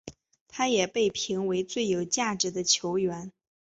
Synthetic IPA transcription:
t̪ʰa˥jɛ˨˩pe˥˩ɪpʰi˧˥ŋwe˧˥ɪt͡swe˥˩ɪjo˨˩ʊt͡ɕja˥˩ʈ͡ʂɻ̩˧˥d̪ə˧t͡ɕʰjo˧˥ʊɥɛ˧˥n

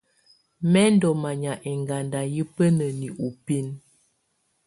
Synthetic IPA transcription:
mɛ˦n˦dɔ˨ma˨ɲa˨ʔɛ˨ŋɡa˨nda˨ji˦pə˦nə˨ni˨ʔu˨pi˦n

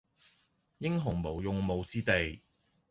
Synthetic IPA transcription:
jɪ˥ŋɦʊ˨˩ŋmo˨˩wjʊ˨ŋmo˨˧wt͡siː˥t̪e˨j

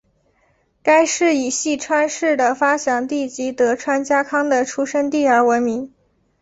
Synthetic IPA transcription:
ka˥ɪʂɻ̩˥˩i˨˩ɕi˥˩ʈ͡ʂʰwa˥nʂɻ̩˥˩d̪ə˩fa˥ɕjɑ˨˩ŋt̪i˥˩t͡ɕi˧˥t̪ɤ˧˥ʈ͡ʂʰwa˥nt͡ɕja˥kʰɑ˥ŋd̪ə˨ʈ͡ʂʰu˥ʂə˥ŋt̪̬i˥˩ə˞˧˥wə˧˥nmi˧˥ŋ

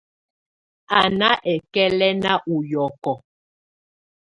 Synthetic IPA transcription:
a˨na˦ʔɛ˨kɛ˦lɛ˦na˦ʔu˨jɔ˨kɔ˨

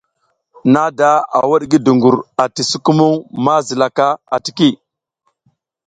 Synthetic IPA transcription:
na˦da˦a̰˨wa˦ɗɡi˦du˨ŋɡu˨ɾa˨ti˨su˦ku˦mu˦ŋma˦zi˨la˨ka˦a̰˨ti̥˨ki˦˨

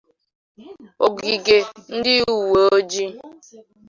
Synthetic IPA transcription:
o˨ɡi˨ɡe˨n̩˦dɪ˦u˨wo˨o˦d͡ʒi˦

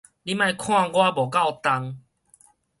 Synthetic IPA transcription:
li˦mã˧jkʰw̃ã˥˧ɡwa˦bɔ˨˩ka˥˧˨wt̪a˧ŋ

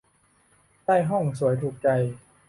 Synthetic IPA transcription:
t̪aː˥˩jɦɔ˥˩ŋsu˨˩˦əjt̪ʰuː˨˩k̚t͡ɕa˧j

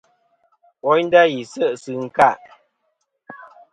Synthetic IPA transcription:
wɔ˨˦jn˦da˦ji˨sə˦˨ʔsɨ˨ŋ̩˦ka˦˨ʔ

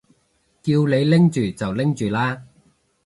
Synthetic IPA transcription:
kiː˧wle˨˧jlɪ˥ŋt͡ʃyː˨t͡sɐ˨wlɪ˥ŋt͡ʃyː˨laː˥

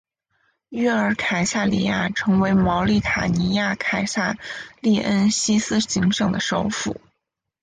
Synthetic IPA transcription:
ɛ˥ə˞˧˥kʰa˨˩ɪsa˥˩li˥˩ja˥˩ʈ͡ʂʰɤ˧˥ŋwe˧˥ɪmɑ˧˥ʊli˥˩t̪ʰa˨˩ni˧˥ja˥˩kʰa˨˩ɪsa˥˧li˥˩ʔə˥nɕi˥sɹ̩˥ɕi˧˥ŋʂɤ˨˩ŋd̪ə̰˦ʂo˧˥ʊfṵ˨˩˦

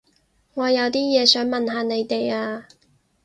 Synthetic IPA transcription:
ŋɔː˨˧jɐ˨˧wt̪iː˥jɛː˨˧sœː˨˥ŋmɐ˨nɦaː˨˧ne˨˧jt̪e˨jaː˧

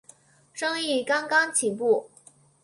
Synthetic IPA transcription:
ʈ͡ʂɤ˥ŋi˥˩kɑ˥ŋkɑ˥ŋt͡ɕʰi˨˥ŋpu˥˩

